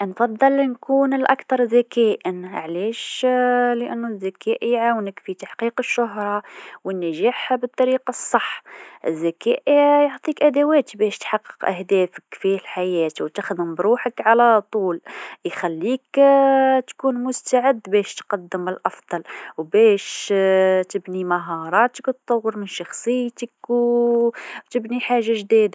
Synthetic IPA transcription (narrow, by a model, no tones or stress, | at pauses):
ʔnfɑd̪ˤːɑlnkunəlʔɑ̰kt̪ɑɾˤzækæʔənʕlæʃ | ləʔænːuzːækæʔiʕawnəkfit̪aħqiqəʃːʊɦɾˤɑwənːæʒaħbət̪ˤːɑɾiːqɑsˤːɑħːʔə̰zːækæʔijoʕt̪ˤikʔæd̪æwæt̪bæʃt̪ħɑqːə̥qʔæhd̪æːfəkfihælħajæːt̪wt̪əxd̪əmbɾuħəkʕalæt̪ˤuljxælːik | t̪kunmʊst̪aʕəd̪ːbæʃt̪qɑd̪ːəməlʔɑfd̪̥ˤɑlwbæʃ | t̪əbnimɑɦɑɾˤɑt̪əkt̪t̪ːˤɑwːəɾmənʃɑxsˤəjt̪əkw | t̪əbniħaʒːaʒd̪id̪a